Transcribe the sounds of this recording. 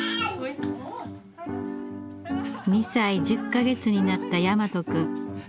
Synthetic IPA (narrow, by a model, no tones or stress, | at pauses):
ɲʲisaid͡ʑɨkːaɡe̞t͡sɨɲ̟inat̪ːajamat̪o̞kɯ̟